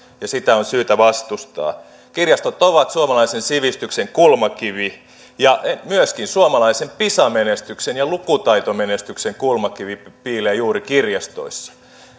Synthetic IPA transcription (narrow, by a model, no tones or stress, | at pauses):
jɑsit̪æonsyːt̪æʋɑst̪ust̪ɑ̰ː | kirjɑst̪ot̪oʋɑt̪suomɑlɑisensiʋist̪ykseŋkulmɑkiʋi | jɑmyøskinsuomɑlɑisempisɑmenest̪yksenjɑlukut̪ɑit̪omenest̪ykseŋkulmɑkiʋipiːleːjuːrikirjɑst̪o̰isːɑ̥